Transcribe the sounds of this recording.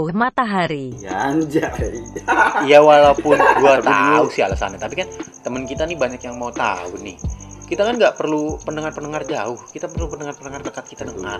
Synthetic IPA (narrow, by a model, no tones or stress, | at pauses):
umat̪aɦaɾijaaɲd͡ʒa | jawalaupʊnduat̪usɪɦa̰lasa̰nat̪apikant̪əmənkit̪anɪhbaɲakjaŋmaut̪a̰unɪh | kit̪akanɡaʔpərlupənəŋarpənəŋard͡ʒaʊhkit̪apərlupənəŋarpənəŋardəkat̪̚kit̪adəŋa̰